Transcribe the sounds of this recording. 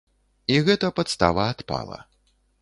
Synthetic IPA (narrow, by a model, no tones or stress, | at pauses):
iɣɛt̪ɐpɐt̪st̪a̰vɐːt̪pa̰lˠɐ̰